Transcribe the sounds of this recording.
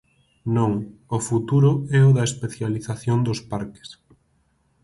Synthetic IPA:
nõŋofut̪uɾʊɛʊðɐespeθjaliθaθjond̪ʊspaɾkɪ̥s

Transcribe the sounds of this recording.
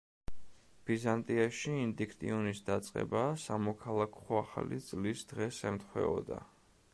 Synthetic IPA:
b̥izant̪ʼiaʃiːnd̪ikʰt̪ʼḭɔnisd̪at̪sʼqʼɛ̰basamɔkʰalˠakʰɔaχa̰lḭt̪sʼlisd̪̥ʁɛsɛmt̪χwɛ̰ɔ̰d̪a̰

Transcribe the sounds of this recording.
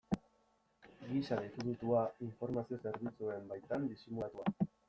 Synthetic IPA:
ɡisaðit̪uɣit̪uaiɱfo̞ɾmasio̞se̞ɾβit͡sue̞mbajt̪and̪isimulat̪ua

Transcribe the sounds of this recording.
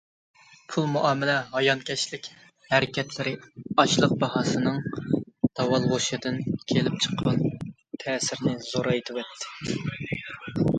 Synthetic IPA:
pʰulˠmuʔɑːmɪlɛɦɑjɑnkʲʰɛʃlɪkʲ | hæɾɪkʲɛt̪ʰlɪɾɪɑʃlˠəq̚bɑhɑːsɨnɨŋd̪̥ɑwɑlˠʁoʃɨd̪ɪnkʲʰelɪp̚t͡ʃʰə̥qːɑn | t̪ʰɛːsɪɾnɪzoɾɑjet̪ʰɪwɛt̪ʰːɪ̥

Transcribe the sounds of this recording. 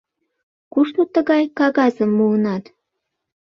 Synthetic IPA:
kuʃt̪ot̪əɣɑjkɑɣɑzəmːuənɑt̪

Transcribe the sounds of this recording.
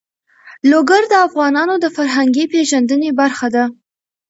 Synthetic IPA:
loɡaɾd̪əafɣɑnɑnod̪əfaɾɦaŋɡipeʒand̪ənebaɾxad̪a

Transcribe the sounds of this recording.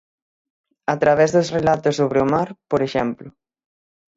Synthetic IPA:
at̪ɾaβɛzðosrelat̪osoβɾeomaɾpoɾeʃɛmplʊ

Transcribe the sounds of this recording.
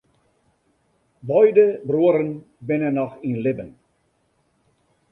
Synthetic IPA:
bɔjdəbruəɾən | bɪnənːɔxinlɪbən

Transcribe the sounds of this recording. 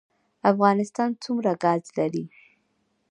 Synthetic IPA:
afɣɑnɪst̪ɑnt͡sumɾaɡɑzlaɾi

